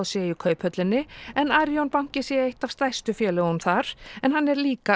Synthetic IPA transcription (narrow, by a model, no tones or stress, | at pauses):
ðsjɛʏkʰœːɥphœt̪lɪnːɪɛnaɾjownpawŋ̥cɪsjɛejht̪avst̪ajst̪ʏfjɛːlʏɣʏmθaɾ̥ɛnhanːɛɾliːka